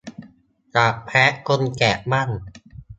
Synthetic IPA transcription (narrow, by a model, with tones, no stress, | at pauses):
t͡ɕa˨˩ʔpʰɛː˦˥ʔko˧nkɛː˨˩ʔma˥˩n